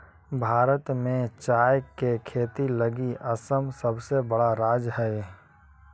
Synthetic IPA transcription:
bʱaːɾət̪mẽt͡ʃaːjkekʰeːt̪iləɡiʔəsəmsəbsebəɽaɾaːd͡ʒɦɛe

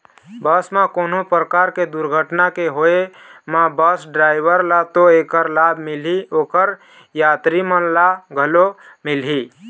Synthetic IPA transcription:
bəsmãkonopɾəkaɾked̪uɾɡʱəʈnakeɦoemabəsɖɾajbəɾlat̪oekəɾlabʱmilɦiokəɾ | jat̪ɾimənlaɡʱəlo | milɦi

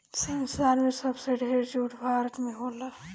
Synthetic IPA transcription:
sənsaːɾmẽsəbseɖʱeːɾd͡ʒuːʈʰbʱaːɾət̪mẽɦoːla

